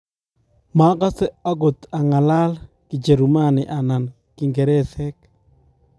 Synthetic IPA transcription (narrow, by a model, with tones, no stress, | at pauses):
ma˦ka˦sɛ˦a˦ɡo˨t̪a˨ŋa˨la˦l | kɪ˨d͡ʒe˨ɾu˨ma˦nɪ˨ʔa˨na˨n | ki˨ŋɡe˨ɾɛ˦sɛ˦k